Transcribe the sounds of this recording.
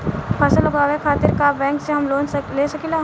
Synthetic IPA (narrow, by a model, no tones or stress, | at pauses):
pʰɐsəlɐɡaːʋekʰaːt̪ɪɾkabɛ̃ːŋkseɦɐmloːnleːsɐkilaː